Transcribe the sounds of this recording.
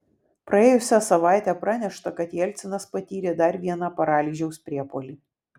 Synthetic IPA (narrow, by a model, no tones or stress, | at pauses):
pɾɐeːjʊsʲɛsɐʋɑˑɪt̪ʲɛpɾɑnʲɛʃt̪ɐkɐt̪jɛlʲt̪sʲɪnɐspɐt̪ʲiːɾʲed̪ɐɾʋʲiɛnɐpɐɾɑːlʲiːʒʲɛʊspʲɾʲiɛpoːlʲiː